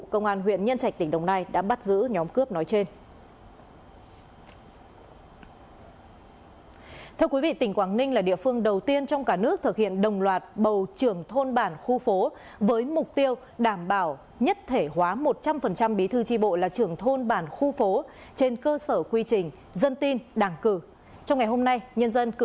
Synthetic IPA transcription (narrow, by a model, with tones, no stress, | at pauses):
kə˧wŋ͡mʔaː˧nɦwḭ˧˨ənɲə˧nt͡ɕa˧˩k̚t̪ï˨˩ŋ̟ɗə̰˨˧˩wŋ͡mnaː˧jɗa̰ː˧˥ɓa˦˥t̚zɨ̰˧˥ɲɔ˨˦mkɨ˦˥əp̚nɔ˨˦jt͡ɕe˧n | t̪ʰɛ˧əwkwi˨˦vḭ˧˨t̪ï˧˩ŋ̟kwaː˧˩ŋnï˧ŋ̟laː˨˩ɗḭ˧˨əfɨ˧əŋɗə˨˩wt̪i˧ənt͡ɕɔ˧wŋ͡mkaː˧˩nɨ˦˥ək̚t̪ʰɨ˨˩k̚hḭ˧˨ənɗə˨˩wŋ͡mlwaː˨˩t̚ɓə˨˩wt͡ɕɨ˨˩əŋt̪ʰo˧nɓaː˧˩nxu˧fo˨˦ | vəː˨˦jmʊ˨˩k͡p̚t̪i˧əw | ɗaː˧˩mɓaː˧˩w | ɲə˦˥t̚t̪ʰe˧˩hwaː˨˦mo˨˩t̚t͡ɕa˧mfə˨˩nt͡ɕa˧mɓi˨˦t̪ʰɨ˨˧˦t͡ɕi˧ɓo̰˧˨laː˨˩t͡ɕɨ˨˩əŋt̪ʰo˧nɓaː˧˩nxu˧fo˨˦ | t͡ɕe˧nkəː˧səː˧˩kwi˧t͡ɕï˨˩ŋ̟ | zə˧nt̪i˧nɗaː˧˩ŋkɨ˧˩ | t͡ɕɔ˧wŋ͡mŋa˨˩jɦo˧mna˧jɲə˧nzə˧nkɨ˧˩